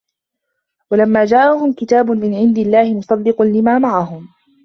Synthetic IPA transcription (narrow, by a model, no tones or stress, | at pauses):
walamːaːd͡ʒaːʔaɦʊmkɪt̪aːbʊnmɪnʕɪnd̪ɪlːaːhɪmʊsˤɑd̪ːɪqʊnlɪmaːmaʕaɦʊm